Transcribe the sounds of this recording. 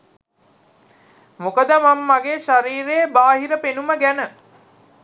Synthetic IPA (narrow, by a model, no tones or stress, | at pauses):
mokəd̪əmamːaɡeːʃaɾiːɾeːbaːɦiɾəpenuməɡænə